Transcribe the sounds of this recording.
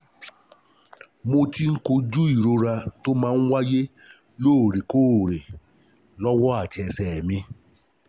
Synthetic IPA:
mo˧ti˦ŋ̩˦ko˧d͡ʒu˦i˦˨ɾo˧ɾa˧to˦mãː˦n̩˦wa˦je˦ | lo˦˨ɾe˨ko˦˨ɾe˨ | lɔ˦wɔ˦a˦˨t͡ʃɛ˧sɛ˨mĩ˧

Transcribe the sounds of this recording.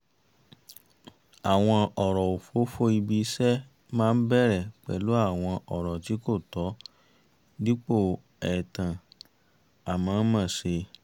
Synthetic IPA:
a˨w̃ɔ̃˧ɔ˨ɾɔ˨o˨fo˨˦fo˦i˧bi˧˦sɛ˦ | mãː˦˧n̩˦bɛ˦˨ɾɛ˨k͡pɛ̰˨˦lo˦a˦˨w̃ɔ̃˧ʔɔ˨ɾɔ˨ti˨˦ko˦˨tɔ˨˦ | di˦k͡po˦˨ | ɛ˨tã˨ | a˨mãː˨˦mã˦˨se˧

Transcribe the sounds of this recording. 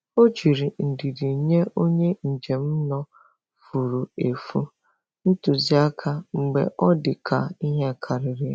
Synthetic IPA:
o˦t͡ʃi˨ɾi˨n̩˨di˨di˨ɲe˦o˦ɲe˦n̩˨d͡ʒe˨m̩˦nɔ˦ | fu˨ɾu˨e˨fu˦ | n̩˦tu˨zi˨a˦kʰa˦ŋ͡m̩˨ɡ͡bḛ˨ʔɔ˦dɪ˨kʰa˨i˦ɦe˦˨kʰa˨ɾɪ˨ɾi˨˦

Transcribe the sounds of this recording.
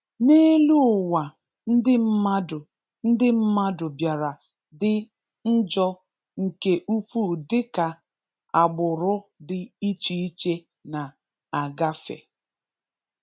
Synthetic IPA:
ne˦lu˦ʊ˨wa˨ | n̩˦dɪ˦m̩˦ma˦dʊ˨ | n̩˦dɪ˦m̩˦ma˦dʊ˨bja˨ɾa˨ | dɪ˦ | n̩˦d͡ʒɔ˦ | ŋ̩˨ke˦ʔu˦pu˦dɪ˦ka˨ | a˨ɡ͡bʊ˨ɾʊ˦dɪ˨i˦t͡ʃi˦i˦t͡ʃe˦ | na˨ | a˨ɡa˦fḛ˨

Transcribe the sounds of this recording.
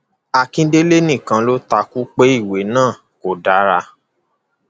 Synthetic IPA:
a˧kĩ˧de˦le˦nĩ˦˨kã˧lo˦ta˧ku˦k͡pe˦i˦˨we˨˦nãː˦˨ | ko˨da˨˦ɾa˧

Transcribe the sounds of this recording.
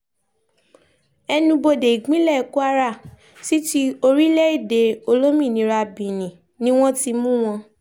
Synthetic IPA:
ɛ˧nũ˧bo˧de˨i˨ɡ͡bĩ˨˦lɛ˦˨ku˦a˧ɾa˦˨ | si˦ti˦o˧ɾi˦lɛ˦i˦˨de˨o˧lo˦mĩ˦˨nĩ˨˦ɾa˧bĩ˨nĩ˨ | nĩ˦w̃ɔ̃˦ti˧mũ˦w̃ɔ̃˧

